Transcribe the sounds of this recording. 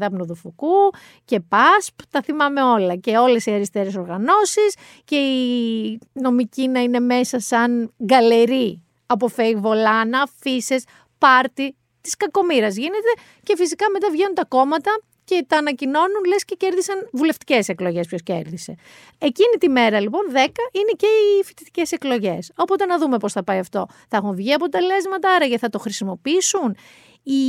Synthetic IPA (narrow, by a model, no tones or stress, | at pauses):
ðɐpnoðufuku | ce̞pɐspt̪ɐθimɐme̞o̞lɐce̞o̞le̞siɐɾist̪eɾeso̞ɾɣɐno̞sis | ce̞i | no̞micinɐine̞me̞sɐsɐnɡɐle̞ɾi | ɐpo̞feivo̞lɐnɐfise̞s | pɐɾt̪i | t̪i̥skɐko̞miɾɐzʝine̞t̪e̞ | ce̞fisikɐme̞t̪ɐvʝenunt̪ɐko̞mɐt̪ɐ | ce̞t̪ɐːnɐcino̞nunle̞sce̞ce̞ɾðisɐnvule̞ft̪i̥ce̞se̞klo̞ʝe̞spço̞sce̞̰ɾðise̞ | ecinit̪ime̞ɾɐlipo̞nðe̞kɐʔine̞ce̞ifi̥t̪i̥t̪i̥ce̞se̞klo̞ʝe̞so̞po̞t̪e̞nɐðume̞po̞sθɐpɐjɐft̪o̞̰ | θɐexunvʝiɐpo̞t̪e̞le̞zmɐt̪ɐɐɾɐʝeθɐt̪o̞xɾisimo̞piisun | i